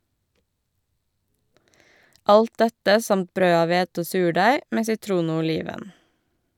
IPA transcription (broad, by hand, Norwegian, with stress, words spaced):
ˈʔɑlt ˈdɛtə ˈsɑmt ˈbɾøː ˈɑːʋ ˈʋeːtə ˈoː ˈsʉːˌɖæɪ ˈmeː sɪˈtɾuːn ˈoː ʊˈliːʋən